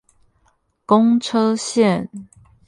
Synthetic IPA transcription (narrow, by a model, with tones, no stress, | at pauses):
kʊ˦ŋʈ͡ʂʰɤ˦ɕjɛ˥˨n